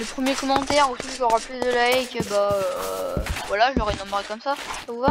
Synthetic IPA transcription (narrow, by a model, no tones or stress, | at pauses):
ləpχəmjekɔmɑ̃t̪ɛʁosiʒɔʁaplyd̪əlaekəbaø | vwalaʒɔʁɛnɔ̃maʁekɔmsasavuva